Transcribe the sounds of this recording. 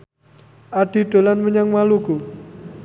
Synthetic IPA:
ʔaɖ̥i̤ɖ̥o̤lanməɲaŋmaluɡ̥o

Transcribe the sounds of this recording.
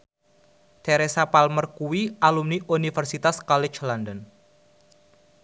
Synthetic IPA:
t̪eɾesapalmərkuwiʔalumniʔunifərsit̪askɔlɪt͡ʃlandən

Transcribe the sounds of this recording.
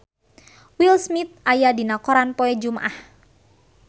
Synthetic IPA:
wilsmit̪̚ʔajadinakɔɾanpɔɛd͡ʒumaʔah

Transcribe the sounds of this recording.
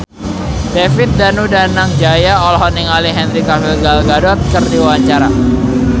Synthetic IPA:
d̥efɪt̪̚danudanaŋd͡ʒajaɔlɦɔniŋaliɦɛnɾikafɪlɡalɡadɔt̪̚kərdiwawaɲt͡ʃaɾa

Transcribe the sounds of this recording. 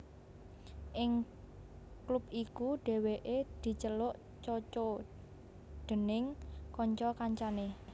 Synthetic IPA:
ʔɪŋ | klup̚ikuɖ̥e̤weʔed̪̥i̤t͡ʃəlʊʔ | t͡ʃot͡ʃo | ɖ̪̥ə̤nɪŋkɔɲt͡ʃɔkaɲt͡ʃane

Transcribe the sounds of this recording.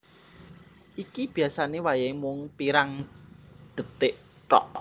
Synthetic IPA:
ʔikib̥i̤asanewajamʊŋpiɾaŋ | d̪̥ə̤t̪ɪʔ | ʈɔ̰ʔ

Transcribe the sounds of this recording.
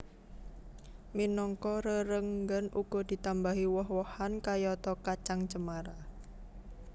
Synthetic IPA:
minɔŋkɔɾəɾəŋɡənuɡ̥ɔ̤d̪̥i̤t̪ambaɦiwɔɦwɔhankajɔt̪ɔkat͡ʃaŋt͡ʃəmaɾa

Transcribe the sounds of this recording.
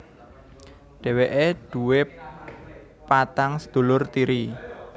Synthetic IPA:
ɖ̥ɛ̤weʔed̪̥ṳwe | pat̪aŋsə̥d̪̥o̤lʊrt̪iɾi

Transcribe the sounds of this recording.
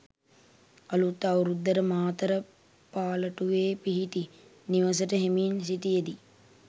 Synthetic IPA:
ɐlut̪ːɐwɾud̪ːɐɾəmaːt̪əɾə | paːlɐʈuʋeːpiɦiʈi | niʋɐs̬əʈəɦemiːns̬it̪ijed̪i

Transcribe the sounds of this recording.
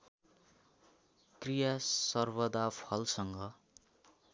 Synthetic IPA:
krijasʌrbʌd̪apʰʌlsʌŋɡʌ

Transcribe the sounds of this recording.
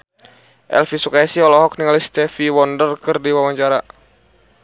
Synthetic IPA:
ʔɛ̰lfisukaasiɔlɔɦɔk̚niŋalist̪ɛfiwɔndərkɨrdiwawaɲt͡ʃaɾa

